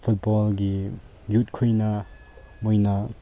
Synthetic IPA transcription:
pʰut̚bɔlɡi | jut̚kʰujnɐ | mojnɐ

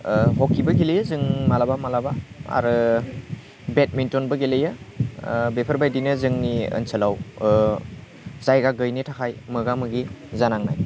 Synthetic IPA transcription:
ɦɔkʰːibɐɡilejɯzɯŋmalabamalabaa̰ɾɯ | bet̚mintɔnbɯɡelejɯ | bepʰəɾbajdinɯzɯŋniə̰nsʰəlaw | zajɡaɡɯjnitʰakʰajmɯɡamɯɡizanaŋna̰j

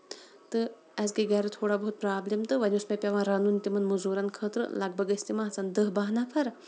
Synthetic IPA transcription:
t̪ɨ | ɐzɡeɡʲaːɾɨt̪ʰoːɽabɐɦut̪̚pɾaːblemt̪ɨʋɐnʲusmʲepʲɐʋãːɾanuːnt̪ʲimɐnmuzuːɾankʰəːt̪ɾɨ̰lɐɡbʱɐɡɐsʲt̪imãːɦt͡sand̪əɦbaːɦnapʰɐɾ

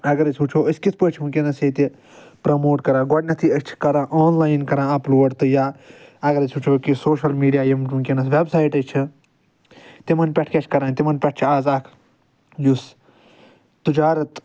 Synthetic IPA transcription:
ɐɡɐɾɐt͡ʃʰʲuːt͡ʃʰoːəskit͡s̪ʰpət͡ʃʰmukʲenɐsjet̪i | pɾɐmoːʈkɐɾãːɡɔɽnʲɐt̪ʰiɐst͡ʃʰi̥kɐɾãːʔoːnlaːjnkɐɾãːɐpluːɐɖt̪ɨjaːɐɡɐɾɐsʲʰuːt͡ʃʰoːkisoːʃɐlmiːɖijaːjɐmʈmũkʲenɐsʋebsaːjʈɐt͡ʃʰi | t̪imɐnpʲɛʈʰkʲet͡ʃʰʲkɐɾãːnt̪imɐnpʲɐʈ̚ʰt͡ʃʰiaːzɐkʰ | jus | t̪ɨd͡ʒaːɾɐt̪

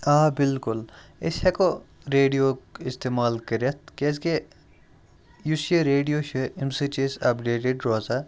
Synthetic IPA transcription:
aːbɪlkʊlesheko | ɾeːɖijoːɪst̪eːmaːlkəɾɐt̪̚keske | juseɾeːɖijoʃeimsit͡ʃesɐpɖeːʈeɖɾoːza

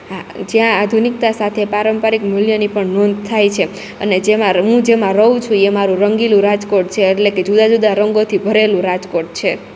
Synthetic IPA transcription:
ɦad͡ʒjãad̪ʱunik̚t̪asat̪ʰepaɾəmpaɾikmɪljənipəɳnɔnd̪̚ʱt̪ʰajt͡ʃʰe | əned͡ʒemãɦũd͡ʒemãɾəɦũt͡ʃʰũemaɾũɾəŋɡilũɾad͡ʒkoʈ̚t͡ʃʰeːʈleked͡ʒud̪ad͡ʒud̪aɾəŋɡot̪ʰibʱəɾelũɾad͡ʒkoʈ̚t͡ʃʰe

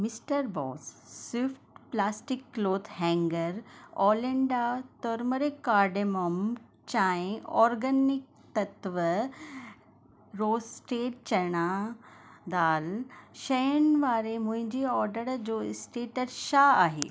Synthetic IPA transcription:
misʈəɾbɔ̰sːwifʈplasʈikːloːt̪ʰɦɛ̃ŋɡəɾɔleɳɖat̪ɔɾməɾekaɾɖemom | t͡ɕãẽɔɾɡənik̚t̪ət̪ʋə | ɾosʈeːʈ̚t͡ɕɐɽ̃a | d̪alɕəjənʋaːɾemũɲd͡ʑiɔɾɖəɽd͡zosʈeːʈəɾɕaaɦḛ

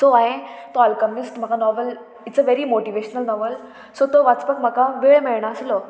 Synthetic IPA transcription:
soaẽt̪oɔlkəmisʈm̤akanɔʋəl | iʈt͡səʋeɾimoʈiʋeɕənəlnɔʋəl | sot̪oʋat͡spəkm̤akaʋeɭmeɭɳaəslo

